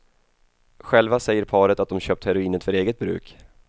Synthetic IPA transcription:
ɧɛlvasɛjːəɾpʰɑːɾət̪at̪̚d̪ɔmɕøːp̚t̪hɛɾʊiːnət̪fœɾeːɡət̪̚bɾʉ̟̰ːk

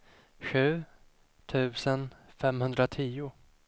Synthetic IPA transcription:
ɧʉ̟ː | t̪ʰʉ̟ːsənfɛmhɵnd̪ɾat̪ʰiːʊ

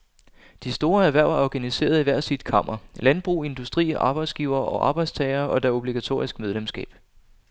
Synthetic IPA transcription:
d̥isd̥o̝ːɐæɐʋæɐ̰ɐæɐɒɡ̥ænise̝̰ːɐð̞̩ˠiʋæɐ̰sid̥̚kʰɑ̈m̰ʔɐlænb̥ʁṵːe̝nd̥usd̥ʁḭːʔɑ̈ːb̥ɑ̈ɪd̥sɡ̥iːʊɐːʔɒ̽ʔɑ̈ːb̥ɑ̈ɪd̥st͡sʰɛːɐːɒ̽d̥æo̝b̥liɡ̥æt͡sʰo̝̰ːɐisɡ̥með̞ˠlemsɡ̥ɛ̰ːb̥

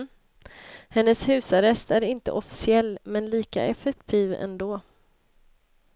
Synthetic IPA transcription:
hɛnːəshʉ̟ːsaɾɛst̪æɾɪnt̪ə̰ʔɔfɪ̥sɪɛlːmɛnliːka̰ʔɛfɛk̚t̪ʰiːvɛ̰nd̪oː

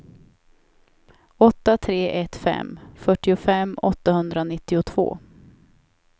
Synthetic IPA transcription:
ɔt̪ːat̪ʰɾeːʔɛt̪fɛ̰mfœʈːɪʊfɛmːɔ̰t̪ːahɵnd̪ɾanɪt̪ːɪʊt̪ʰv̥o̰ː

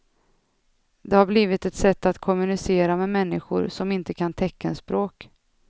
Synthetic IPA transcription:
d̪ɛhaɾbliːvɪt̪ɛt̪sɛt̪ːat̪kʰɔmɵnɪseːɾamɛmɛnːɪ̰ɧʊ̰ɾsɔmɪnt̪əkʰant̪ʰɛkːaɛnspɾoːk

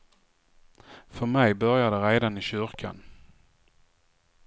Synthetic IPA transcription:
fœɾmɛjbœɾjad̪əɾeːd̪anɪɕʏɾkʰa̰n

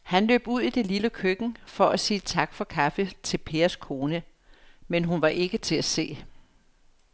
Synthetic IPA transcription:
hænlø̰ːb̥uð̞̰ˠid̥e̝liləkʰøɡ̥n̩fɒ̽ʔæsiːt͡sʰɑ̈ɡ̥fɒ̽kʰæfet͡sʰe̝lpʰe̝ːɐskʰo̝ːnə | menɦunʋɑ̈ʔe̝ɡ̥ət͡sʰe̝læse̝̰ː

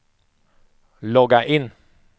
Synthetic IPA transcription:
lɔɡaʔɪn

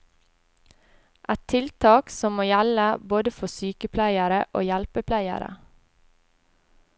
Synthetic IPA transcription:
ʔæt̪ʰɪlt̪ʰɑːksɔmmoːjæləboːd̪əfɔsyːkəpʰlæɪəɾəʔo̰ːjælpəpʰlæɪə̰ɾə̰

